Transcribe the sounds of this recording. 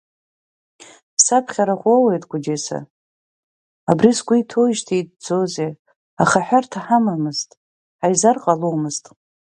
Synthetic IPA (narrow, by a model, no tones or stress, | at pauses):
pʰsapʰχʲaɾaʁʷowejtʼɡʷʊd͡ʒesa̰ | abrisɡʷiitʰoiʒtʰijd̚d͡zoze | aχaħᶣartʰaħamamɨztʼ | ħajzarqʼalowmɨztʼ